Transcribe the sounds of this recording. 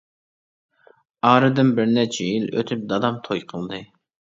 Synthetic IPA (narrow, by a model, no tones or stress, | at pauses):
ɑːɾɨd̪ɪnbɪɾnɛt͡ʃʰɛjilø̰t̪ʰyp̚d̪ɑd̪ɑmt̪ʰojqʰəlˠd̪ɨ